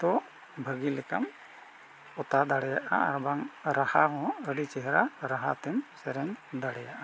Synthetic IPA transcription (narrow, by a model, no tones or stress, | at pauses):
t̪ɔ | bʱəɡilɛka̰m | ɔt̪ad̪aɽɛjaʔa̰a̰ɾbaŋɾahaɦɔ̃əɖit͡ʃɛɦɾaɾaɦat̪ɛmsɛɾɛɲd̪aɽɛjaʔa